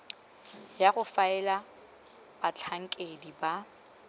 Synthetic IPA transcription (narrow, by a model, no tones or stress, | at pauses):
jaɣʊfaɛla | b̥at͡ɬʰaŋ̩kʼediba